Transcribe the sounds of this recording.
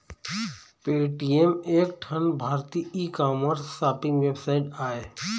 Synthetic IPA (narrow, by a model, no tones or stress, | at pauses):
peːʈiemeːk̚ʈʰənbʱaːɾt̪iiːkaːməɾsːaːpɪ̃ŋɡʋebsaːɪʈaːeː